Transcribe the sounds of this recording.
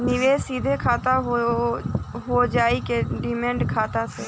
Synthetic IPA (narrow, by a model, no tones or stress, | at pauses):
nɪʋeːsiːd̪ʱekʰaːt̪aɦo | ɦod͡ʒaːikeɖɪmẽːɳɖkʰaːt̪asɛ